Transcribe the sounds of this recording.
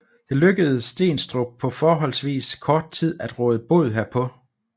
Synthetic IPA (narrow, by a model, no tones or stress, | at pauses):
d̥e̝løɡ̥əð̩ˠsd̥e̝̰ːnsd̥ʁob̥̚pʰɒ̽fɒːɦɒ̽l̰sʋḭːskʰɒːd̥̚t͡sʰið̰ˠæd̥ʁɔ̽ːðˠəb̥o̝ð̞̩ˠɦeɐpʰɒ̽